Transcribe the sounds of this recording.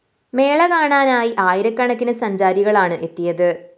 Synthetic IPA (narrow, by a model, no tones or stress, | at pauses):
me̞ːɭɐkaːɳaːnaːjiʔaːjiɾɐkːɐɳɐkːinɨsɐɲd͡ʑaːɾiɣɐɭaːɳɨʔe̞t̪ːijɐðɨ